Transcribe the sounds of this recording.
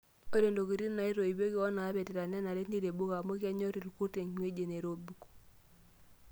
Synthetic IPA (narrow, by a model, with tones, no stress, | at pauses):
o˦ɾe˨ndo˨ki˨ɾi˦na˨i˦ɾo˨i˨be˦ki˦ɔ˦naː˨˦βe˨te˨ɾa˨ne˦na˨ɾe˦ni˦ɾe˨bu˦ka˨mo˦ki˦a˦ɲo˦ɾi˨ɾku˦te˨ɲmwe˦d͡ʒe˨ne˨ɾo˦bu˨k